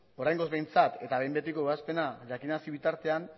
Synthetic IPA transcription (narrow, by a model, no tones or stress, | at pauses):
o̞ɾajŋɡo̞zβe̞jnt͡sat̪e̞t̪aβe̞jmbe̞t̪iko̞easpe̞naʎakinasiβit̪aɾt̪e̞an